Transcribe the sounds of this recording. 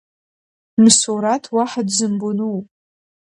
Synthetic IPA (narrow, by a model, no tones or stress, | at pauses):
msuɾatʰwaħadzɨmbonuwpʼ